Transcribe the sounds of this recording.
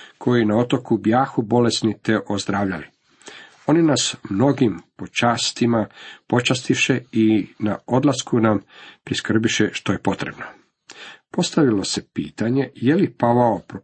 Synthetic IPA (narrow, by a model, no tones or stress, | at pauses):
kʰo̞jinao̞t̪o̞kubjaːxubo̞lesnit̪e̞ʔozd̪ɾaːʋʎali | o̞ninasmno̞ɡimpo̞t͡ʃaːst̪imapo̞t͡ʃast̪iʃe̞ina̰o̞d̪laskunampɾiskr̩biʃe̞ʃt̪o̞je̞po̞t̪ɾe̞bno̞ | po̞st̪aʋilo̞se̞pḭːt̪aɲe̞jelipaʋaopɾo